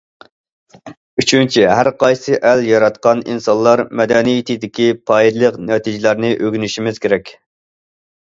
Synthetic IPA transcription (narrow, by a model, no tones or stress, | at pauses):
yt͡ʃʰynt͡ʃʰiɦæɾqʰɑjsɨʔæljɑɾɑt̪qɑnḭnsɑnlˠɑɾmɛd̪ɛnijit̪ʰɪd̪ɪkʲipʰɑid̪lˠəqnɛt̪ʰid͡ʒɪlæɾnɪʔøɡʲynyʃimɪz̥kʲeɾɛkʲ